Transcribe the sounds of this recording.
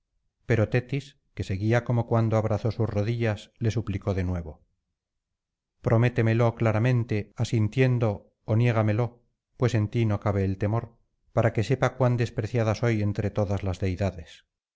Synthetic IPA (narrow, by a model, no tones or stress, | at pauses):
pe̞ɾo̞t̪e̞t̪is | ke̞seɣiako̞mo̞kwand̪oaβɾaθo̞susro̞ðiʎasle̞supliko̞ðe̞nwe̞βo | pɾʔo̞me̞t̪eme̞lo̞klaɾamẽ̞nt̪e̞asint̪je̞nd̪o̞ː | nje̞ɣ̞ame̞lo̞ | pwe̞se̞nt̪ino̞kaβe̞ːlt̪e̞mo̞ɾ | paɾake̞se̞pakwand̪e̞spɾeθjaðaso̞je̞nt̪ɾe̞t̪o̞ðazlazðe̞jðaðe̞s